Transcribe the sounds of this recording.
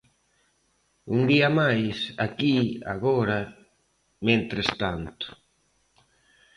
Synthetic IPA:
und̪iamajsakia̰ɣoɾa | mẽnt̪ɾest̪ant̪ʊ̥

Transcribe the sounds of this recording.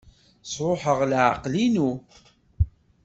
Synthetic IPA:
sˤɾˤoħəʁlʕa̰qlinu

